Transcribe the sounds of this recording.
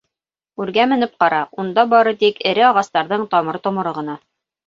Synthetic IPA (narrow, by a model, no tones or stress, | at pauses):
ʉɾɡæmɘ̆nɘp̚qɑɾɑund̪ɑbɑɾɤt̪ikɘ̆ɾɘɑʁɑst̪ɑɾðɤɴt̪ɑmɤɾt̪ŏmɤ̆ɾɤʁɤ̆nɑ